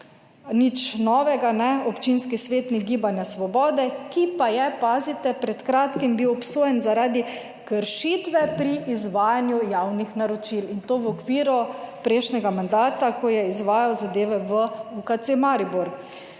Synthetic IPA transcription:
nit͡ʃnɔːʋɛɡanɛɔpt͡ʃinskisʋeːt̪niɡiːbanjasʋɔbɔːd̪ɛkipajɛpaːzit̪ɛpɾɛt̪kɾaːt̪kimbiwɔpsoːjɛnzaɾaːd̪i | kəɾʃiːt̪ʋɛpɾiʔizʋaːjanjujawnixnaɾɔt͡ʃilint̪oːʋɔkʋiːɾɔpɾɛʃnɛɡamand̪aːt̪akɔjɛizʋaːjawzad̪eːʋɛʋəukat̪semaɾibuɾk

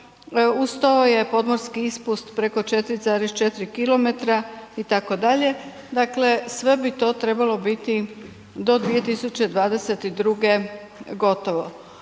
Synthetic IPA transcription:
ust̪aoje̞po̞d̪mo̞ɾskiispust̪pɾeko̞t͡ʃe̞t̪ɾizaːɾest͡ʃet̪ɾikilo̞me̞t̪ɾait̪ako̞d̪aʎe̞ | d̪akle̞sʋe̞bit̪o̞ːt̪ɾe̞balo̞bit̪i | d̪o̞d̪ʋije̞t̪isut͡ɕe̞d̪ʋaːd̪e̞set̪id̪ɾuɡe̞ | ɡo̞t̪o̞ʋo̞

